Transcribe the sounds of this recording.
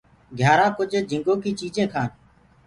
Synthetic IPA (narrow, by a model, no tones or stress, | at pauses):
ɡʱjaːɾãːkʊd͡ʒʱd͡ʒʱɪ̃ŋɡoːkiːt͡ʃiːd͡ʒẽːkʰãːn